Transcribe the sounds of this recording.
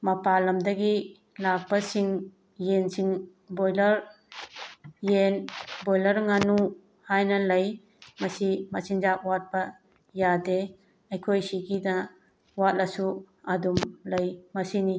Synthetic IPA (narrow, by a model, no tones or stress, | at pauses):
mɐpalɐmdɐɡi | lak̚bɐsiŋ | jensiŋ | bojlɐɾ | jenbojlɐɾŋanu | hajnɐlɐj | mɐsimɐsiŋzap̚wat̚bɐ | jade | ɐjkʰojsiɡinɐ | wat̚lɐsu | adumlɐjmɐsini